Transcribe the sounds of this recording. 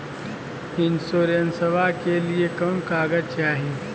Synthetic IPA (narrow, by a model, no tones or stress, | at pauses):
ɪnsoːɾjənsəʋakeliekoːnkaːɡət͡ʃaːɦĩː